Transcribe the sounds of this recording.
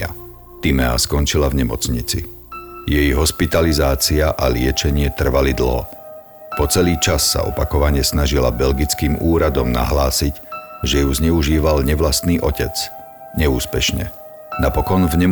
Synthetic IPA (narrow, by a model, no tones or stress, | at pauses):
t̪imɛa̰skɔnt͡ʃilavɲɛmɔt͡sɲit͡sḭ | jɛjɦɔspit̪alizaːt͡siaʔalɪɛt͡ʃɛɲɪɛt̪r̩ʋalid̪l̩ɦɔ̰ | pɔt͡sɛliːt͡ʃasːa̰ɔ̰pakɔʋaɲɪɛsnaʒila̰bɛlɡit͡skiːmuːɾad̪ɔmna̰ɦlaːsiɟ | ʒɛjuzɲɛuʒiːʋalɲɛʋlast̪niːʔɔcɛt͡s | ɲɛuːspɛʃɲɛ̰ | napɔkɔnvɲɛ